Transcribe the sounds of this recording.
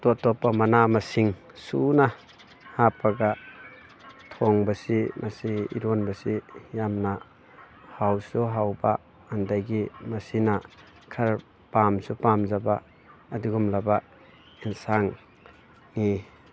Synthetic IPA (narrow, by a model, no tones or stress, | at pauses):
tɔtɔpːamɐnamɐsiŋ | suna | hapʰaɡa | tʰɔŋbasimasiḭɾɔnbɐsijamna | hawsuɦawbaː | ndajɡimɐsina | kʰaɾ | pamsupamzabaː | diɡumlaba | insaŋ | ni